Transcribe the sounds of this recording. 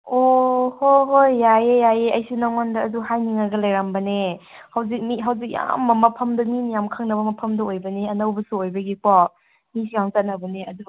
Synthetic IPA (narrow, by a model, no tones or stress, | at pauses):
ohoɦojːajejajeɐjsunɐŋondɐːduhajniŋaɡɐlɐjɾambɐne | hawzik̚miɦawzik̚ja̰mːɐmɐpʰɐmdɐmimijamkʰaŋnɐbɐmɐpʰɐmdɐojbɐniɐnɐwbɐsuojbɐɡikwa | misijaŋt͡ʃat̚nɐbɐneɐdu